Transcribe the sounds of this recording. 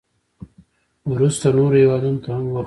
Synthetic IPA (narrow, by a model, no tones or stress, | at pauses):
wɾust̪anoɾhewɑd̪unot̪ahamwax